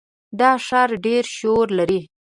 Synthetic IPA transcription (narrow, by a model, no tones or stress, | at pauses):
d̪ɑʂɑɾɖeɾʃoɾlaɾi